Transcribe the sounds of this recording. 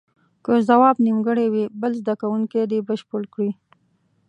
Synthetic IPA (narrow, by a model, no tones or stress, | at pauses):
kəzawɑbnimɡəɽewibəlzd̪akawuŋked̪ibəʃpʊlkɽi